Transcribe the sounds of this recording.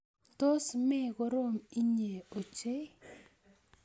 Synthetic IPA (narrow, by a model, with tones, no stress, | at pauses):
to˦sme˦˨ko˦ɾo˦˨mi˦ɲe˨o˨t͡ʃe˦